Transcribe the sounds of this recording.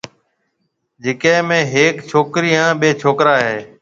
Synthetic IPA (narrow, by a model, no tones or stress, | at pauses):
d͡ʒeːkẽːmẽːɦeːkt͡ʃʰoːkɾiːɦãːɓeːt͡ʃʰoːkɾaːɦeː